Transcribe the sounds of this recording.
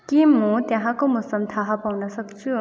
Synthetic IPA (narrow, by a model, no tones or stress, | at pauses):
kimʌt̪jãɦãkomʊsʌmt̪ʰaɦapawnʌsʌkt͡sʰu